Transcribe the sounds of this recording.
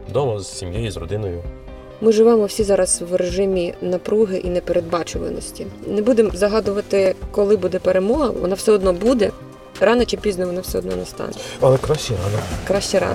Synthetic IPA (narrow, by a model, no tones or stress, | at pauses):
d̪ɔmɐzsʲimjejizrɔ̰d̪ɪnɔjʊ | mɪʒɪʋɛmɔwsʲizɑɾɐzʋreʒɪmʲinɐpɾuɦɪʔinɛpeɾed̪̚bɑt͡ʃʊʋɪ̰nɔ̰sʲtʲinɛbud̪emzɐɦɑd̪ʊʋɐt̪ɪkɔlˠɪbud̪ɛpeɾemɔɦɐ̰ʋɔ̰nɑwsɛɔd̪nɔbud̪ɛ | ɾɑnɐt͡ʃɪpʲiznɔʋɔnɑwsɛɔd̪nɔ̰nɛst̪ɑ̰nɛɐlˠɛkɾɑʃt͡ʃɛɾɑ̰nɐkɾɑʃt͡ʃɛɾɑ̰